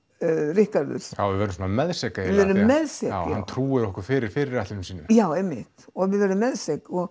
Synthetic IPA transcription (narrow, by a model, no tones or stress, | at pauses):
rɪhkaɾðʏ̰ɾ̥a̰wvɪðvɛɾmsɔnamɛðsɛkaɛɪvɛɾʏːɛðsɛa̰wjahanwt̪ʰɾuːɪɾɔhkʏɾ̥fɪːɾɪɾ̥fɪːɾɪɾɛht̪lɪnmsiːnʏmjaːwejmːɪht̪ɔðvɪðvɛɾʏmːɛðsɛkɔɣ